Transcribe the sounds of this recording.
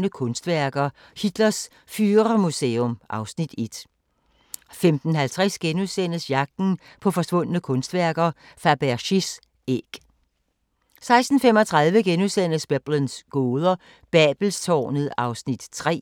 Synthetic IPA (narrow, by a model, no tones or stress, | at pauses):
nəkʰɔ̽nsd̥ʋæɐɡ̥ɐ | hid̥lɐs | fyːʁɐmuseːɔmʔɑ̈ʊsnid̥e̝d̥ | femd̥n̩ɦælt͡sʰʁɛsɡ̥enuðˠsen̰əsjɑ̈ɡ̥̚d̥n̩ | pʰɒ̽fɒ̽sʋɔ̽n̰nəkʰɔ̽nsd̥ʋæɐɡ̥ɐfæb̥æɐɕis | eɡ̥ | sɑ̈ɪsd̥n̩femɒt͡sʰʁɑ̈ð̞ˠʋəɡ̥enuðˠsen̰əsb̥eb̥lənsɡ̥oːðˠɐ | b̥ɛːb̥l̩st͡sʰɒ̰ːnəð̩ˠɑ̈ʊsnid̥t͡sʰʁɛ̰ː